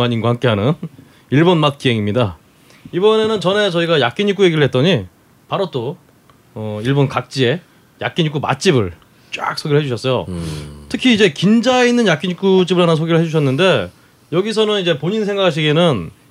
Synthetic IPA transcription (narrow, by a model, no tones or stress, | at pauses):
aɲinɡwahamk͈e̞ɦanɯn | iɭbonmat̚k͈ieŋimɲida | ibʌne̞nɯnt͡ɕʌne̞t͡ɕʌiɡajak͈̚iɲik͈uje̞ɡiɾɯɭhe̞t̚t͈ʌɲi | paɾot͈o | ʌiɭbonkak̚t͡ɕ͈ie̞ | ja̰k͈iɲuk͈uma̰t͡ɕ͈ibɯɭ | t͡ɕ͈a̰k̚s͈ʰoɡiɾɭɦe̞d͡ʑuɕʰʌs͈ʌjo̰tʰɯkʰiːd͡ʑe̞kind͡ʑaeinːɯnjak͈iɲik͈ut͡ɕ͈ibɯɭɦanas̬ʰoɡiɾɯɭhed͡ʑuɕʰʌnːɯnde̞ | jʌɡis̬ʰʌnɯnid͡ʑe̞poɲinsʰe̞ŋɡakʰaɕ̬ʰiɡenɯn